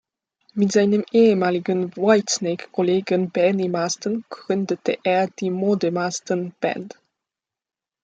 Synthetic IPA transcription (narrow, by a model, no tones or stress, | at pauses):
mɪtz̥aɪnəmeːəmaːlɪɡənvɔɪtsnɛkʰːɔleːɡənbɛnimaːstənɡ̥ʁʏndətʰəʔeːɐd̥iːmodəmastənb̥ɛ̰nt